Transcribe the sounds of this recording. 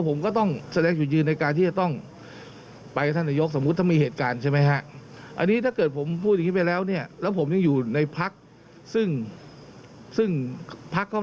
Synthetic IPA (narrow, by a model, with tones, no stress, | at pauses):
pʰo˩˦mkɔː˥˩t̪ɔ˥˩ŋsa˧dɛː˧ŋt͡ɕu˨˩jɯː˧nːa˧jkaː˧nt̪ʰiː˥˩t͡ɕa˨˩t̪ɔ˥˩ŋ | pa˧jka˧˩t̪ʰa˥˩nːaː˧jo˦˥k̚so˩˦mu˦˥t̪ːʰa˥˩miː˧˩eː˨˩t̪̚kaː˧nt͡ɕʰa˥˩jma˦˥jkʰa˦˥ʔʔa̰˧nːiː˦˥t̪ʰaː˥˩kɤː˨˩t̪̚pʰo˩˦mpʰu˥˩ja˨˩ŋiː˦˥pa˧jlɛː˦˥wni˥˩ɐlɛː˦˥wpʰo˩˦mja˧ŋjuː˨˩na˧jpʰa˦˥k̚ | sɯ˥˩ŋ | sɯ˥˩ŋpʰa˦˥kʰːa˥˩